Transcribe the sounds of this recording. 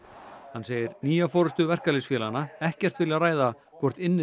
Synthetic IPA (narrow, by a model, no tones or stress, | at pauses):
hanːseːjɪɾniːjafɔːɾʏst̪ʏvɛr̥kalɪsfjɛːlanːaɛhcɛr̥t̪vɪljaraːjða | kʰvɔr̥t̪ɪnːɪ